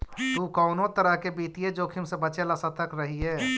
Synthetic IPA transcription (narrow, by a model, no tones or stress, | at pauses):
t̪ukɔʊnot̪əɾəɦkebiːt̪ied͡ʒoːkʰimsẽbət͡ʃeləsat̪əkɾəɦiɛː